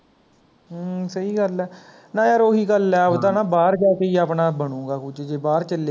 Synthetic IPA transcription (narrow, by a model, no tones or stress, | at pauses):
səiːɡəlɛː | nãːjaːɾoːɦiːɡəlɛːt̪ãːnãːbaːɾd͡ʒaːkeiːaːpnaːbəɳ̃ũːɡaːkʊt͡ʃd͡ʒeːbaːɾt͡ʃəle